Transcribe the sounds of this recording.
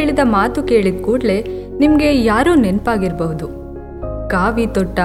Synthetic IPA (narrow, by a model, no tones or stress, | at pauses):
ɭid̪ɐmaːt̪uke̞ːɭid̪̚kuːɖle̞nimɐɡe̞jaːɾoːnenpaːɡiɾbɐɦud̪u | kaːʋit̪ɔʈːɐ